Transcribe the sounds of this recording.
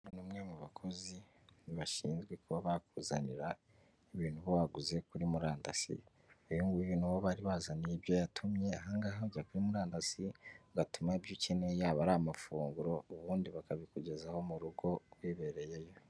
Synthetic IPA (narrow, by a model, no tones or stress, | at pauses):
numŋe̞muβakʰo̞zi | niβaʃiːnzɡwe̞kuβaβakuːzaniɾa | iβiːn̥huβoβaɡuze̞kuɾimuɾaːnda̰sḭ | ujuŋɡuβiβiːn̥huβoβaːɾiβaːzanijebjo̞jatʰumɲe̞aɦaŋɡaːhaβuɟakuɾimuɾaːndasiɡatumaibjucenejaβaɾamafuːŋɡuɾo̞uβuːndiβakaβikuɟe̞zaho̞muɾuɡo̞ɾwiːβe̞ɾe̞je̞jo̞